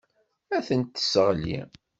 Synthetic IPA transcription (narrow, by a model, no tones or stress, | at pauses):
æθənt̪ːə̥səʁlḭ